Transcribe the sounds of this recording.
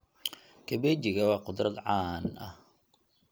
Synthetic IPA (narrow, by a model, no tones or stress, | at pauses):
kʰɐbɛːt͡ʃɪɣɐwɑːqʊd̪rɐd̪ʕɑːnɐ̰h